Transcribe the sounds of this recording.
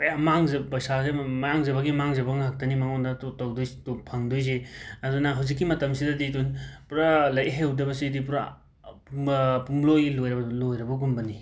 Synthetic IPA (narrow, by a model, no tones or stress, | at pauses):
kɐjamaŋzɐpɐjsasemjaŋzɐβɐɡimaŋzɐbɐŋɦak̚tɐnimɐŋɔndɐttɔwdojstopʰɐŋdojs̬eɐdunɐɦɐwzik̬ːimɐtɐmsidɐdidunpuɾalɐjʔɦewdɐbɐsidip̬uɾa | ppumlojɡilojɾɐbɐlojɾɐbɐɡumbɐni